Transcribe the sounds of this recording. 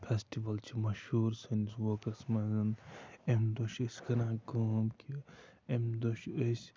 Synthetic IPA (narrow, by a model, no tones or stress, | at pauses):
pʰesʈiʋɐlt͡ʃʰimɐʃhuːɾsinswoːkɐsmɐzɐnemd̪oʃəskɐnãːɡoːmkiemd̪oʃəs